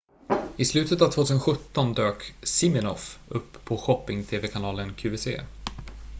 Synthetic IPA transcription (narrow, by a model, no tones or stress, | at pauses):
ɪslʉ̟ːt̪ət̪avt̪ʰvoːt̪ʰʉsənɧɵt̪ːɔnd̪øːksɪmɛnɔfɵpːʰɔɧɔpːɪŋt̪ʰeːvɛkʰanɑːlənkʰʉ̟ːvɛsḛː